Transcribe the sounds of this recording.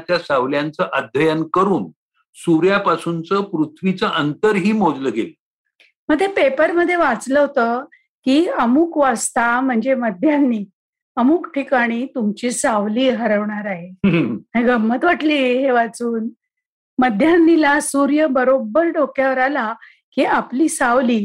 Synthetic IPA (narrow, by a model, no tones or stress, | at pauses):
t͡ɕjasaʋljant͡səʔəd̪ʱjəjənkəɾuːn | suɾjapasunt͡səpɾut̪ʰʋit͡səʔənt̪əɾɦiːmod͡zləɡel | m̤əɡd̪ʱjepepəɾməd̪ʱːjeʋat͡sləɦot̪ə | kiːəmukʋast̪am̤əɳd͡zeməd̪ʱjanːiː | əmukʈʰikaɽ̃iːt̪umt͡ɕisaʋliːɦəɾəʋɳaɾaɦeɦeɡəmːət̪ʋaʈliːɦeʋat͡suːn | məd̪ʱjanːilasuɾjəbəɾobəɾɖokʰjaʋəɾala | kiːapliːsaʋliː